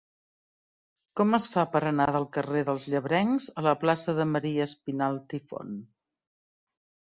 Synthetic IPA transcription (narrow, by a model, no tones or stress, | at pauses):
kɔməsfapəɾənaðəlˠkəreðəlˠzʎəβɾɛŋzələplasəðəməɾiəːspinalˠt̪ifo̰n